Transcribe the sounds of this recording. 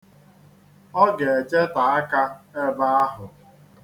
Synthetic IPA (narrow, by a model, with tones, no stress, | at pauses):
ɔ˦ɡe˨e˨t͡ʃe˦ta˨a˦ka˦e˦ba˦a˦ɦʊ˨